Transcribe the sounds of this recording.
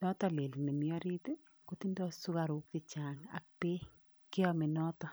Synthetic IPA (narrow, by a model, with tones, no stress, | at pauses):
nɔ˦t̪ɔ˨le˨lnɛ˨mjɔ˦ɾi˦t̪e˦ | ko˦t̪i˦ndɔ˦su˦ka˨ɾu˦k̚tɪ˨t͡ʃa˨ŋa̰˨k̚pe˦ | kɪ˦ɔmɪ˨nɔ˦t̪ɔ˨